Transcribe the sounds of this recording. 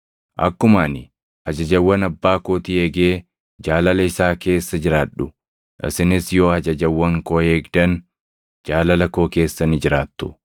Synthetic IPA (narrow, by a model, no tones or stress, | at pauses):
ʔɐ̰kːʊmaːnɪ | hɐd͡ʒɐd͡ʒɐwːɐnɐbːaːkoːt̪ɪeːɡeː | d͡ʒaːlɐlɐɪsaːke̞ːsːɐd͡ʒɪɾaːᶑʊ | ʔɪ̰sɪnɪsjo̞ːhɐd͡ʒɐd͡ʒɐwːɐŋkoːheːɡd̪ɐn | d͡ʒaːlɐlɐko̞ːke̞ːsːɐnɪd͡ʒɪɾaːt̪ːʊ̥